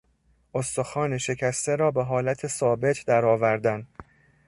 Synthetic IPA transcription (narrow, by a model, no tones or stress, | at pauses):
ost̪o̞xɒːne̞ʃe̞cʰæst̪e̞ɾɒːbe̞ɦɒːlæt̪ʰe̞sɒːbe̞t̪ʰd̪æɾɒːvæɾd̪æn